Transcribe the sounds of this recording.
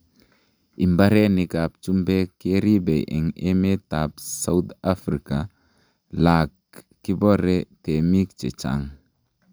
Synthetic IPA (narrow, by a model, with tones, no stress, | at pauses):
i˨mba˦ɾe˦ni˨ka˨p̚t͡ʃu˦mbe˦ke˦ɾi˦be˨ʔɛ̰˨ŋe˦me˦t̪a˨psa˦u˦t̪a˦fɾika | la˨kː | i˦bɔ˦ɾɛ˦te˨mi˦k̚t͡ʃḛ˨t͡ʃa̰ŋ